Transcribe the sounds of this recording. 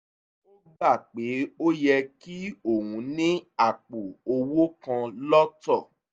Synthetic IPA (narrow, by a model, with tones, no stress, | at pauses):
o˦ba˦˨k͡pe˨˦o˦jɛ˧ki˦o˦˨wũ˨˦nĩ˦a˨k͡po˨o˧wo˦kã˧lɔ˦tɔ˦˨